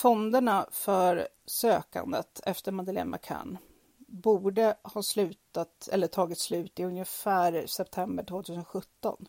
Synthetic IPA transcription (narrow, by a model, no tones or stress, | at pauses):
fɔnd̪əɳafœɾ | søːka̰nd̪ə̰t̪ɛft̪əɾmad̪əlɛ̰mːa̰kʰa̰n | buːɖəhɑːslʉ̟ːt̪at̪ɛ̰lːəʈʰɑːɡɪt̪slʉ̟ːt̪ɪɵnjəfæːɾsɛpt̪ʰɛmbəʈʰvoːt̪ʰʉs̬ənɧɵt̪ːɔ̰n